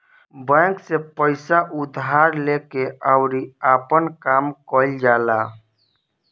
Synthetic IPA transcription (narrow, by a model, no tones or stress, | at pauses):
bɛ̃ksepəɪsaʔʊd̪ʱɦaɾlekeʔəʊɾiaːpənkaːmkɔld͡ʒaːla